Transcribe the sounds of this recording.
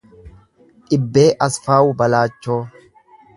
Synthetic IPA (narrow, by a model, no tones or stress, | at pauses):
ᶑɪbːe̞ːʔɐsfaːwbɐlaːt͡ʃːoː